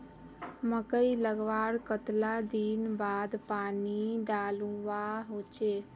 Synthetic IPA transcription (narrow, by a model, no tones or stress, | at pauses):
məkəiləɡʋaːɾkət̪lad̪inbaːd̪paːniɖaːlũʋaɦot͡ʃe